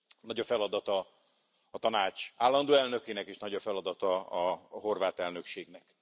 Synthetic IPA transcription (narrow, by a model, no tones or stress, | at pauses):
nɒɟɒfɛlɒd̪ɒt̪ɒː | t̪ɒnaːt͡ʃaːlːɒnd̪oːɛlnø̞keːnɛkeːʃnɒɟɒfɛlɒd̪ɒt̪ɒɒɦo̞rvaːt̪ɛlnø̞kʃeːɡnɛk